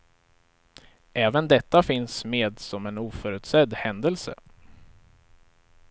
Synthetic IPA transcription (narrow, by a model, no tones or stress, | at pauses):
ʔɛːvənd̪ɛt̪ːafɪnsmeːd̪sɔmɛnuːfœɾʉ̟ːt̪sɛd̪hɛnd̪əlsə̰